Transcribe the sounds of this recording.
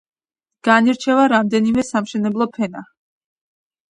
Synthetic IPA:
ɡ̥aniɾt͡ʃʰɛvaɾamd̪ɛnimɛsamʃɛnɛblˠɔpʰɛna

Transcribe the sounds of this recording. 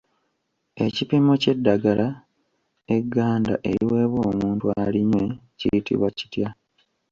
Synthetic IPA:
e̞cipimo̞ce̞dːaɡalʔa | eɡːaːnda̰ʔḛɾiwe̞ːβwo̞ːmuːntualiɲwe̞cḭjitḭβwaci̥tja

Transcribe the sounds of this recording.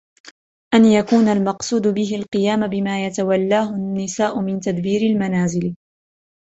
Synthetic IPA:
ʔanjakuːnalmɑqsˤuːd̪ʊbɪɦɪlqɨjaːmabɪmaːjat̪awalːaːɦʊnːɪsaːʔʊmɪnt̪ad̪biːɾɪlmanaːzɪl

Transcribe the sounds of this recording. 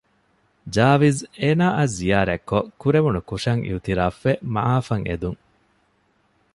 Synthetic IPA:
d͡ʒaːʋizeːnaːʔɐzːijaːɾækːokuɾeʋunukuʂɐŋʔḭut̪iɾaːfːemɐ̰ʔaːfɐŋḛd̪uŋ

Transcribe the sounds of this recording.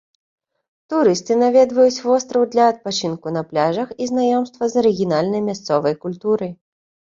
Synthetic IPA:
t̪uɾɨst̪ɨnavʲɛd̪vɐjut͡sʲvɔst̪ɾɐwd̪lʲɐːt̪̚pat͡ʃɨnkunɐplʲaʐɐxiznajɔmst̪vɐzɐɾɨɡʲinalʲnɐjmʲast̪sɔvɐjkulʲt̪uɾɨj

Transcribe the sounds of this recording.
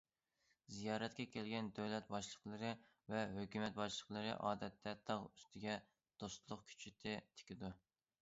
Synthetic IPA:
zijɑːɾɛt̪kʲɛkʲʰɛlɡʲɛnd̪øwlɛt̪̚bɑʃlˠəqlˠɨɾɨ | vɛɦøkʲymɛt̪̚bɑʃlˠəqlˠɨɾɨ̰ʔɑːd̪ɛt̪ʰːɛt̪ʰɑʁyst̪ʰɪɡʲɛ | d̪̥ost̪lˠʊqkʲʰy̥t͡ʃʰyt̪ʰɪt̪ʰɪ̥kʲid̪u

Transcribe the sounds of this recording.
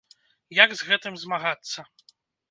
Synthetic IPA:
jaɡzɣɛt̪ɨmzmaɣat̪sːɐ

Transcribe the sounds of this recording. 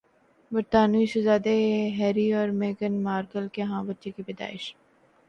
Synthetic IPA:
bɐɾt̪aːnuisɐzaːd̪eɦɛːɾiɔːɾmeːɡənmaːɾkəlkeɦãːbɐtːʃekibɛd̪a̰ːɪʃ

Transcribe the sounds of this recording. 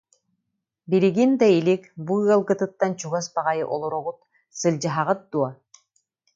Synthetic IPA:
biɾiɡind̪ailikbuɯɐlˠɡɯt̪ɯt̪ːant͡ɕuɡasbaʁajɯʔɔlˠɔɾuʁut̪̚ | sɯlʲd͡ʑaɦaʁɯt̪̚d̪uɔ

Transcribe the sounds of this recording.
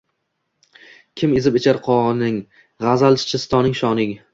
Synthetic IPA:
kʲʰɪmezɪpet͡ʃʰaɾqʰɒnɪŋ | ʁazalˠt͡ʃʰɪ̥t͡ʃʰɪst̪ʰɒnɪŋʃɒnɪŋʲ

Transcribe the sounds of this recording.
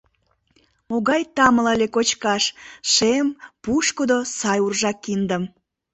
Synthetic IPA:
moɣɑjt̪ɑmələlʲekot͡ɕkɑʃʃempuʃkod̪osɑjurʒɑkːind̪əm

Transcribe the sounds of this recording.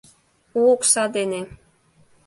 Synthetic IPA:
uoksɑd̪ene

